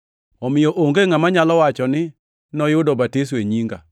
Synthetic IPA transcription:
ɔmɪjɔʔoŋɡeŋamaɲalɔwat͡ʃɔnɪ | nɔjʊdɔbatis̬weɲiŋɡa

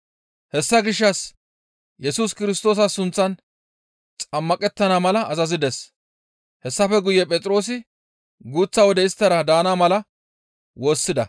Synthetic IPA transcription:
hɛsːɐɡɪʃːɐs | jɛsuːskɪɾɪst̪o̞ːs̬ɐsʊnt͡sːɐn | t͡sʼɐmːɐkʼɛt̪ːɐnamɐlɐʔɐzɐzɪd̪ɛs | hɛsːɐfɛɡʊjːɛpʼɛt͡sʼɪɾo̞ːs̬ɪ | ɡuːt͡sːɐwɔd̪ɛɪst̪ːɐɾɐd̪aːnaːmɐlɐ | wo̞ːsːɪd̪ɐ

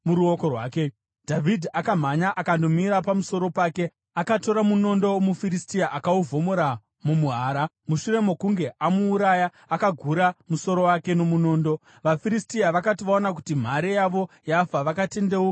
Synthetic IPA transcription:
muɾuokorwa̰ːke̞ | dʱavidʱiakam̤aɲaʔakando̞miɾapamuso̞ɾo̞paːke̞ | akato̞ɾamuno̞ndo̞mufiɾistiaʔakauvʱo̞moɾa | mumuɦaːɾa | muʃuɾe̞mo̞kuŋɡe̞ʔamuːɾaja | akaɡʱuɾamuso̞ɾo̞wake̞no̞muno̞ːndo̞ | ʋafiɾistiaʋakatiʋaonak̬u̥tim̤aɾejaʋo̞ | jafaʋakate̞ndeu

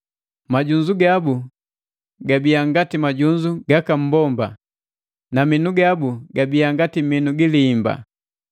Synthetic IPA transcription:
maɟuɲd͡ʒuɡabu | ɡabiaŋɡatimaɟuɲd͡ʒuɡakam̩bɔmba̰ | naminuɡabuɡabiaŋɡatiminuɡiliːmba̰

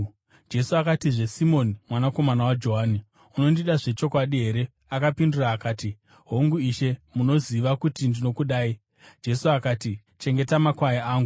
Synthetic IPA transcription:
d͡ʒe̞suakatiʐe̞simo̞nimwanako̞manawad͡ʒo̞ɦaːni | uno̞ndiɗaʐe̞t͡ʃo̞kwaɗiɦe̞ɾe̞ | akapinduraːkaːti | ɦo̞ŋɡuiʃe̞muno̞ziʋakutindino̞kuɗaːi | d͡ʒe̞suakaːti | t͡ʃe̞ŋɡe̞tamakwajaaːŋɡu

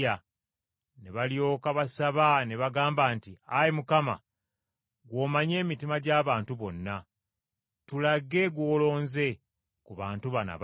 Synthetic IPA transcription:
a | neβaljo̞ːkaβasaβane̞βaɡaːmbaːntiajemukama̰ | ɡwo̞ːmaɲe̞ːmitimaɟaːβaːntuβo̞nːa | tulaɡe̞ɡwoːlo̞ːnze̞ | kuβaːntuβana̰β

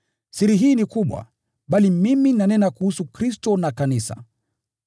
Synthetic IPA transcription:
siɾiɦiːnikuɓwa̰ | ɓalimiminanɛnakuhusukɾistɔnakanisa̰

